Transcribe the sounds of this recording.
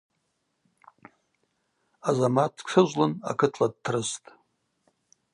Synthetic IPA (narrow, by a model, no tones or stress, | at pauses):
azamat̚ʰkʂʰɨʒʷlɨna̰kʰɨtʰlad̚tʰrɨstʼ